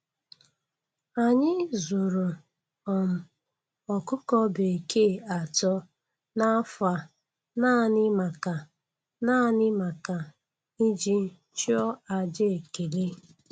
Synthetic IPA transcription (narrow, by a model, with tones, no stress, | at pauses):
a˨ɲɪ˦zʊ˨ɾo˨ | ɔ˨m̩˨ | ɔ˨kʊ˦kɔ˦be˨ke˦˨a˨tɔ˦ | na˦fa˨ | na˦ɲɪ˦ma˨ka˨ | na˦ɲɪ˦ma˨ka˨ | i˦d͡ʒi˦ | t͡ʃi˦ɔ˦a˨d͡ʒe˦e˨ke˨le˦